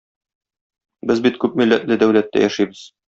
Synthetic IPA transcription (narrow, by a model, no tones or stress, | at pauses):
bɘzbit̪kʉpmilːæ̰t̪lɘd̪æwlæt̪ːæ̰jæʃibɘz̥